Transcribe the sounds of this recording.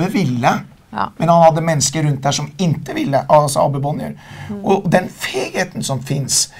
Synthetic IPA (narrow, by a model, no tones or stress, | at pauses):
əʋɪlːə | mɛnhɑnhɑd̪ːəmɛnːəskəɾʉnt̪̚d̪æʂɔmɪnt̪əʋɪlːəʔɑsɔɑ̰bəbɔnjə̰ɾʔɔd̪ɛnfeːɡheːt̪ən̩sɔmfɪns